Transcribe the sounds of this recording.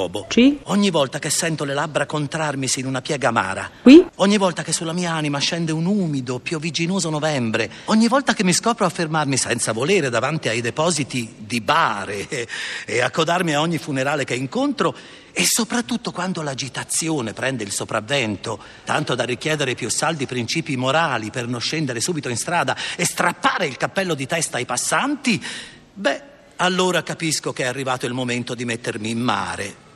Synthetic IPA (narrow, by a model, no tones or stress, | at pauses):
ɔːbot͡ʃiɔɲːivɔlt̪akesːɛnt̪olelabɾakont̪ɾarmisinunapjɛːɡama̰ːɾa̰kwiɔɲːivɔlt̪akesːulːamiːaaːnimaʃɛnd̪eunuːmid̪opjuvːid͡ʒinoːzonovɛmbɾe | ɔɲːivɔlt̪akemːiskɔːpɾoafːermarmisɛnt̪savoleːɾed̪avant̪iajd̪epɔːzit̪id̪ibaːɾeː | akːod̪armiaɔɲːifuneɾaːlekeiŋkont̪ɾo | esːopɾat̪ːut̪ːokwand̪olad͡ʒit̪at̪sːjoːnepɾɛnd̪eilsopɾavːɛnt̪o | t̪ant̪od̪arːikjɛːd̪eɾepjusːald̪ipɾint͡ʃiːpimoɾaːlipernonʃːɛnd̪eɾesuːbit̪oinst̪ɾaːd̪aest̪ɾapːaːɾeilkapːɛlːod̪it̪ɛst̪ajpasːant̪i | bɛ | alːoːɾakapiskok̟eɛarːivaːt̪oilmoment̪od̪imet̪ːermiːmːa̰ːɾḛ